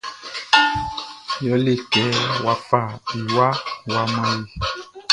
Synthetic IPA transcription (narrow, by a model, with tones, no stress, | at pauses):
jɔ˨˦le˦˨kɛ˨˦wa˨fa˦˨i˨wa˦wa˧mɔ̃˦ji˨